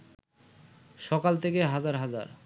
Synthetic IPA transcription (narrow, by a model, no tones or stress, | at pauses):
ʃɔkalt̪ʰekeɦad͡ʑaɾɦad͡ʑa̰ɾ